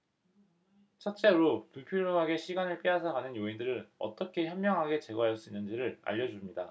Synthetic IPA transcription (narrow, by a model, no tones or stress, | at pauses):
t͡ɕʰʌt̚t͡ɕ͈e̞ɾopuɭpʰjoɾjoŋɦaɡe̞ɕʰiɡanɯɭp͈iɦasʰakanɯnjoindɯɾɯnʌ̰t͈ʌkʰe̞çjʌmːjʌŋɦaɡe̞t͡ɕe̞ɡwajʌs͈uinːɯnd͡ʑiɾɯɾa̰ʎːʌd͡ʑumɲida